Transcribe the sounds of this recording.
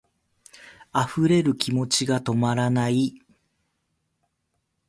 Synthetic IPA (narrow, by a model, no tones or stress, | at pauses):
aɸɯ̟ɾe̞ɾɯ̟kʲimo̞t͡ɕiɡat̪o̞maɾanai